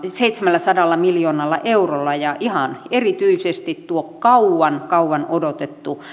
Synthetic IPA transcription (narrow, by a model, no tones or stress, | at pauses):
seit̪semælːæsɑdɑlːɑmiljoːnɑlːɑ̰ʔeurolːɑjɑʔihɑnerit̪yisest̪it̪t̪uokkɑuwɑnkɑuwɑnodot̪et̪ːu